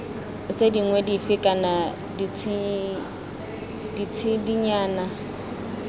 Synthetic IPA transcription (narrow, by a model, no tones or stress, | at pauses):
t͡sʼediŋwɛdifɪkʼana | dit͡sʰ | dit͡sʰidiɲaːna